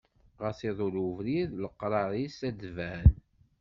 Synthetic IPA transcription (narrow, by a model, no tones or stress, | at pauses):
ʁəθiðˤʊluvɾiðləqːɾˤɑɾˤisæd̪væn